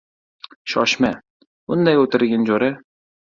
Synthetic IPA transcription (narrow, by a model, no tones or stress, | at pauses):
ʃɒʃma | ʊnd̪ajɵt̪ɪɾɡʲand͡ʒoɾa